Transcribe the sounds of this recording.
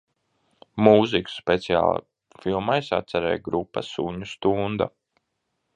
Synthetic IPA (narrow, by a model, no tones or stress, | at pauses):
muziku̥speɛt̪sia̰ːlˠ | filˠmajsa̰t̪sɛɾɛ̰ːjɡɾupːɐ̰suɲust̪und̪a